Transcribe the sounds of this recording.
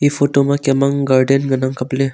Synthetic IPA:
ifoʈomakɛmaŋɡaɾɖenɡənaŋkəple

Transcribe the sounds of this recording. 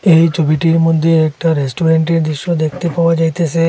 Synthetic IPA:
ejt͡ɕʰobiʈiɾmod̪ʱːeɛk̚ʈaɾesʈoɾeɳʈeɾd̪ɾiʃːod̪ekʰt̪epaoad͡ʑajt̪ʰesʰe

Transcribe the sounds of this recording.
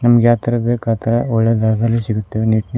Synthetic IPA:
nɐmːɐɡjaːt̪ɐɾɐbekaːt̪ɐɾɐɔɭːɐd̪ɐɐd̪ɐlːisiɡut̪ːeʋniʈn

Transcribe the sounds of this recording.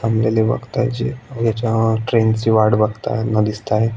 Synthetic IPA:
amleleʋə̰ɡt̪aɦed͡ʑḛəʋjat͡ɕaʈɾent͡ɕiʋaɽbəɡt̪a̰nəd̪ist̪aɦe

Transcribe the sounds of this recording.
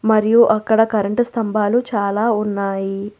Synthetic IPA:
mɐɾijuʔɐkːɐɽɐkɐɾɐɳʈst̪ʰɐmbʱaːlut͡ʃaːlaːunːaːji

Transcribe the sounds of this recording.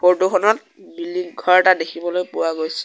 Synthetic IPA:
poɹtuxʰɔnɔt̚ | bilːiɡʱɔɹɛtadekʰibɔlojpʊwaɡojsɛ̥

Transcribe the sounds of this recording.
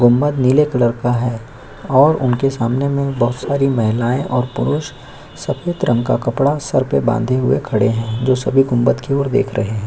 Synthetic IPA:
ɡʊmːət̪nilekɐləɾkaɦɛː | ɔːɾʊ̰nkesaːmnemẽbɐɦʊt̪saːɾimɐɦɪlaːẽʔɔːɾpʊɾʊʃ | sɐfʰeːt̪ɾə̃ŋɡkakɐpɽasɐɾpebã̰ːnd̪ʱeɦʊḛkʰɐɽeɦɛ̃ːd͡ʒoːsɐbʱiɡʊmbət̪kioːɾd̪ḛːkʰɾʔɐɦeɦɛ̃ː

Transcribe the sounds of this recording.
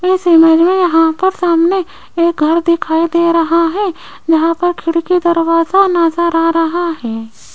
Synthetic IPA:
ɪseməd͡ʒmẽjɐɦãpɐɾsaːmne | eːk̚ɡʱɐɾd̪ɪkʰaːid̪eːɾɐɦaɦɛː | d͡ʒɐɦãpɐɾkʰɪɽkid̪ɐɾwaːzanaːzaɾaɾɐɦaɦɛː

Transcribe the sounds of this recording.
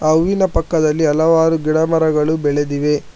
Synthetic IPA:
ɐʋːinɐpɐkːɐd̪ɐlːiɐlɐʋaːɾuɡiɽɐmɐɾɐɡɐɭubɛɭed̪iʋe̞

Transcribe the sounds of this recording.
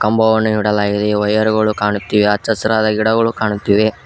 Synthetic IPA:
kɐmbɐʋɐnːuɦiɽɐlaːɡid̪eɐjɐɾuɡɐɭukaːɳut̪ːiːʋeɐt͡ʃːɐsɐɾaːd̪ɐɡiɽɐɡɐɭukaːɳut̪ːiːʋe

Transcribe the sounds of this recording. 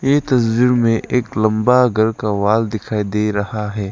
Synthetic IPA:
jeːt̪ɐswɪɾmẽʔeːklɐ̃mbaɡʱɐɾkaʋaːld̪ɪkʰaːid̪eːɾɐhaɦɛː

